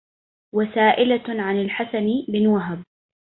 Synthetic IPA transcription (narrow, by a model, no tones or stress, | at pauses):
wasaːʔɪlaʕanɪlħasanbɪnwaɦab